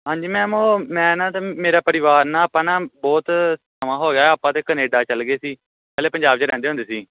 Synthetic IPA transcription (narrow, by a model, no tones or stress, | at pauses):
ɦãːɲd͡ʒiːmɛ̃ːmõːmɛ̃ːnãːt̪eːmeːɾaːpəɾɪʋaːɾnãːaːpãːnãːbɔːt̪səmãːɦoːɡeaːaːpːãːt̪eːkəneːɖaːt͡ʃəlɡeːsiː | pɛːleːpəɲd͡ʒaːbt͡ʃeɾɛ̃ːnd̪eːʊ̃nd̪eːsiː